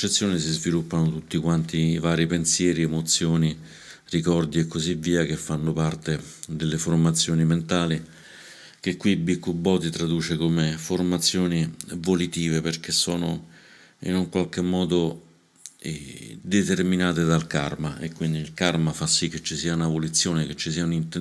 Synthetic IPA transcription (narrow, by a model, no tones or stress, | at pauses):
t͡ʃːet̪sːjoːnisizvilupːanot̪ut̪ːikwant̪ivaːɾipensjɛːɾiemot̪sːjoːni | rikɔrd̪iekːozivːiːakefːanːopart̪ed̪elːeformat̪sːjoːniment̪aːli | k̟ekːwibikːubːɔt̪it̪ɾad̪uːt͡ʃekomeformat̪sːjoːnivolit̪iːveperk̟esːɔːno̰ | ḭnuŋkwalkemːɔːd̪o | d̪et̪erminaːt̪ed̪alka̰rmaʔekːwind̪iːlkarmafasːikːet͡ʃːisiːaunavolit̪sːjoːnek̟et͡ʃːisiːaunint̪